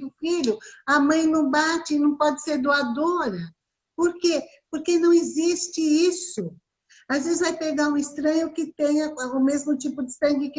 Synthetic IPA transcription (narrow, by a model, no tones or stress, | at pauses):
ʊfiʎʊɐmɐ̃j̃nɐ̃bat͡ʃɪnɐ̃w̃pɔd͡ʒɪseɾd̪oad̪oɾɐ | poɾkepoɾkenɐ̃w̃ɪzist͡ʃɪisʊ | azvezɪzvajpeɡaɾũɪst̪ɾɐ̃ɲʊkɪt̪ẽɲɐkaʊmezmʊt͡ʃipʊd͡ʒɪst̪ɾɐ̃ɡɪkɪ